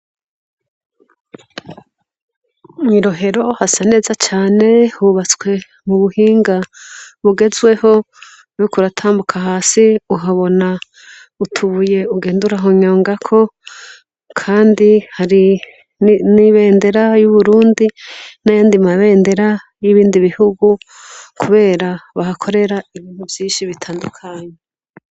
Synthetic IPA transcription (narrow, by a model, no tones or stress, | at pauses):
niɾo̞ɦe̞ɾo̞hasane̞ːzat͡ʃaːne̞huβat͡skwe̞ | muβuhiːŋɡaβuɡe̞zɡwe̞ho̞ | ukuɾatʰaːmbukʰaɦaːsiuɦaβo̞na | utʰuβuje̞uɡe̞ːnduɾaɦoɲoːŋɡakʰo̞ | kʰaːndihaɾi | niβe̞ːnde̞ɾajuβuɾuːndinajaːndimaβe̞ːnde̞ɾa | jiβiːndiβihuɡu | kʰuβe̞ːɾaβahakʰo̞ɾe̞ɾaiβiːnthuvjiːnʃiβitʰaːndukʰaɲe